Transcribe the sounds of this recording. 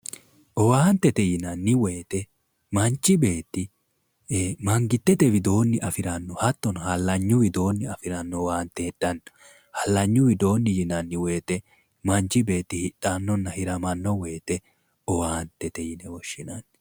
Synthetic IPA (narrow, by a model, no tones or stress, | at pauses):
ʔɔwaːnt̪ːɛt̪ɛjɪnɐnːɪweːt̪ɛ | mɐnt͡ʃːɪbe̞ːt̪ːɪ | mɐŋɡɪt̪ːɛt̪ɛwɪd̪o̞ːnːɪʔɐfɪɾɐnːɔhɐt̪ːɔnhɐlːɐɲːʊwɪd̪o̞ːnːɪɐfɪɾɐnːɔwaːnt̪ːeːd̪̥ːɐn | hɐlːɐɲːʊwɪd̪o̞ːnːɪjɪnɐnːɪwe̞ːt̪ɛ | mɐnt͡ʃːɪbe̞ːt̪ːɪhɪtʼːanːɔnːɐhɪɾɐmɐnːɔweːt̪ɛ | ɔwaːnt̪ːɛt̪ɛjɪnɛwɔʃːɪnɐnː